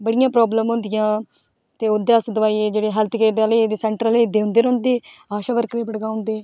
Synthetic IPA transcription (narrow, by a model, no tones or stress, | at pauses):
bəɽɪjãːpɾɔːbləmɦʊ̃nd̪ɪjãː | t̪eːod̪eːəsd̪əʋaːieːd͡ʒeːɽeːɦɛːlt̪ʰkeːd̪aleːd̪eːsɛːɳʈɾəleːd̪eːɦʊ̃nd̪eːɾõːnd̪eːaːʃaːbəɾkɾeːpəɽɡaːɦʊ̃nd̪eː